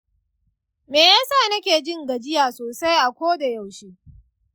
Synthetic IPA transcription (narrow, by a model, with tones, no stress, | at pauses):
meː˨jaː˦sa˦˨nɐ˦kʲeː˨d͡ʒɪ˦ŋɡɐ˨d͡ʒɪ˦jaː˨soː˨sa˦jʔa˨kʷoː˦da˨ja˨wʃiː˦